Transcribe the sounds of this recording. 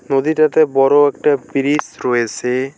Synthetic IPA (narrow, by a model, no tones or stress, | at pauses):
nod̪iʈat̪ebɔɾoɛk̚ʈapiɾisɾoet͡sʰe